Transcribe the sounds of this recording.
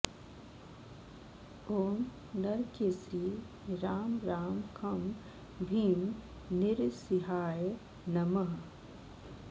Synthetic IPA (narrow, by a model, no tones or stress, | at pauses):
oːm | nɐɾkesi | ɾaːmɾaːmkʰɐm | bʱiːm | nɪɾsiɦaːje | nɐmɐɦ